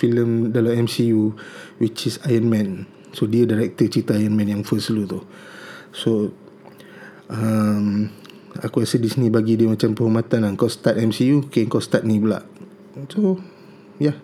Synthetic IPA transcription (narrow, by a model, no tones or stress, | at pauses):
filəmdalamɛmsijuwit͡ʃisajənmɛ̃n | sodiədaɾɛk̚t̪ət͡ʃəɾit̪əajənmɛ̃njaŋfəslut̪u | so | əm | a̰kuɛsədisnibaɡidiəmat͡ʃampəhumat̪anaŋkast̪at̪̚ɛmsijuokeəŋkast̪at̪̚nibəla̰ʔ | so | ja